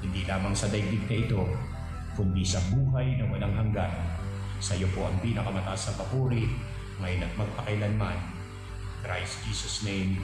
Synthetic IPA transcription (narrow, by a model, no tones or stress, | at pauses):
hɪnd̪ilaːmɐŋsɐd̪ɐjbɪd̪̚nɐʔɪt̪o̞ | kʊnd̪isɐbuːɦajnɐwɐlaŋɦɐŋɡan | sɐjo̞poʔɐŋpinɐkɐmɐt̪ɐʔasɐpɐpuːɾɪ | ŋɐjonɐt̪̚mɐɡ̚pɐkɐjlanman | kɾajsd͡ʒiːsɐsnejm